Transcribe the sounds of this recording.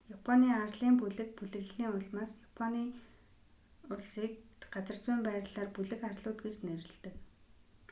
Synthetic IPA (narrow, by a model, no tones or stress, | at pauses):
japʰɔniːarɮiːmpuɮɘ̆k̚puɮɘ̆ɣɮniːʊɮmaːsjapʰɔniː | ʊɮsiːk̚ɢat͡sə̆r̥t͡sʊːmpæːɾʲɮaːrpuɮɘ̆xarɮʊːt̪ɡet͡ɕneɾɪ̆ɮt̪ɘ̆k